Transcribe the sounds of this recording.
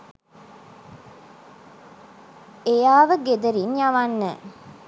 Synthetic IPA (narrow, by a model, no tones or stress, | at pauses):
ejaːʋəɡed̪əɾinjaʋanːɛ̰